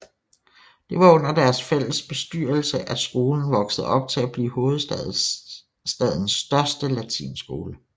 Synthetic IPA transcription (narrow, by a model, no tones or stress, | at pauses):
d̥e̝ʋɑ̈ɔ̽n̰ɐd̥æɐsfel̰əsb̥e̝sd̥yɐ̰l̩səʔæ̥sɡ̥o̝ːln̩ʋɒ̽ɡ̥səð̩ˠɒ̽b̥̚t͡sʰe̝læb̥lḭːho̝ːð̞̩ˠsð | sd̥ɛðˠn̩sd̥ɶɐsd̥əlæt͡sʰḭːnsɡ̥o̝ːlə